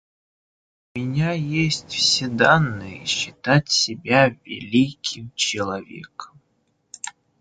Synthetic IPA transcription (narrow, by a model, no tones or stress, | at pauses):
ʊmʲɪnʲajesʲtʲfsʲed̪anːɨjəiɕːɪt̪atʲsʲɪbʲavʲɪ̰lʲikʲʰimt͡ɕɪlˠɐvʲḛkəm